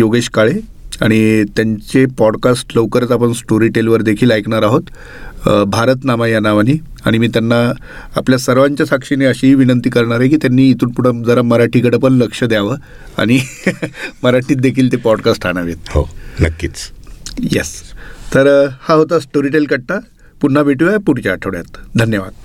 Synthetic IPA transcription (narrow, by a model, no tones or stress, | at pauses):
joɡeɕkaɭe | aɽ̃it̪jaɲt͡ɕepɔɽkasʈləʋkəɾət͡sapəɳsʈoɾiʈelʋəɾd̪ekʰiːlajkɳaɾaɦot̪ | bʱaɾət̪naʋajanaʋaniː | a̰ɽ̃imiːt̪janːa | apljasəɾʋaɲt͡ɕjasakʂineəɕiɦiːʋinənt̪iːkəɾɳaɾaɦekiːt̪janːiːt̪uːnpuɽ̤ad͡zəɾaməɾaʈʰiːkəɽəpənləkʂəd̪jaʋə | a̰ɽ̃i | məɾaʈʰiːt̪̚d̪ekʰiːlt̪epɔɖkasʈaɽ̃aʋet̪̚ho̰nə̰kːḭːt͡sjest̪əɾhaɦot̪asʈoɾiʈelkəɽ̚t̪a | puɳ̤ːabʱeʈuajpuɽ̤t͡ɕjaːʈʰəʋɽjat̪d̪ʱənjəʋad̪̥̚